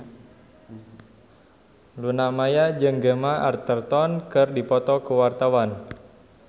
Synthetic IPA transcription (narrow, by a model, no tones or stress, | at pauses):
lunamajad͡ʒɨŋɡəmaa̰rt̪ərt̪ɔnkɨrdipɔt̪ɔkuwart̪awan